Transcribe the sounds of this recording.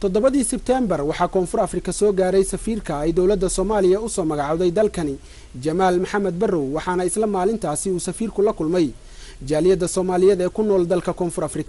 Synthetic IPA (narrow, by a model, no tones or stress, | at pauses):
t̪ʰɔd̪ɔβɐðiːsɛb̚t̪ʰɛːmbɐrwɑħɑːkʰɔːnfʊrɐfrɪkʰɐsɔːɡaːɾɛjsɐfiːrkʰɐɛjd̪ɔwlɐd̪ːɐsɔːmaːlɪjɐʊsɔːmɐɣɑʕɑðɛjd̪ɐlkʰɐnɪ | d͡ʒɐmaːlmɐħɑmɐd̪̚bɐrɔwːɑħɑːnɐɪslɐmaːlɪnt̪ʰaːsɪuːsɐfiːrkʰʊlɐkʰʊlmɛj | d͡ʒaːlɪjɐd̪ːɐsɔːmaːlɪjɛd̪ɛːkʰʊnːɔːld̪ɐlkʰɐkʰɔːnfʊrɐfrɪkʰɐ̥